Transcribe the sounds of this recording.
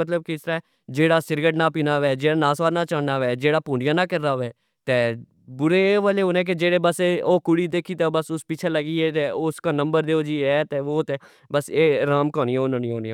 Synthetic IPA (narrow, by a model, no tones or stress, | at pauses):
mət̪ləb̚kɪst̪əɾaː | d͡ʒeːɽaːsɪɾɡəʈnaːpiːnaːʋɛːd͡ʒeːɽaːnaːsʋaːɾnaːt͡ʃaːɳnaːʋɛːd͡ʒeːɽaːpuːɳijãːnãːkɪɾːaːʋɛː | t̪eː | bʊɾeːʋaːleːoːnɛ̃ːk̬ɪd͡ʒeːɽeːbəseoːkʊɽiːd̪eːkʰiːt̪eːbəsʊspɪt͡ʃʰeːləɡiːɛːt̪eːʊskaːnəmbəɾd̪eːoːd͡ʒiːɛːt̪eːoːt̪eː | bəseːɾaːmkɔːniːɛːonãnĩːɦoːniː